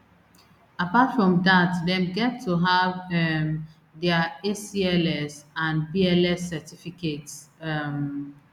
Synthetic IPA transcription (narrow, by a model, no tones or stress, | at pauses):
apatfɹɔ̃mdatdɛ̃mɡɛtʰːuɦavɛm | dɛəesiɛlɛsãnbiɛlɛsːɛtifiketsɛm